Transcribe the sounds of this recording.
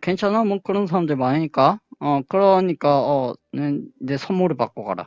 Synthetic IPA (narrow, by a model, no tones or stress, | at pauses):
kwe̞nt͡ɕʰanamʌnkɯɾʌnsʰaɾamdɯɾimaɲiɲik͈aʌkɯɾʌɲik͈aʌnenesʰʌmːuɾɯɭpak͈oɡa̰ɾa̰